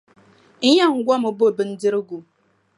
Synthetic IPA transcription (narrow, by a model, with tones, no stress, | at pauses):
ɲ̩˦ɲa˦˨ŋ̩˨˦ɡʷɔ˦mʊ˨bo˦˨bɨ˨n̩˦dɪ˦ɾɡu˨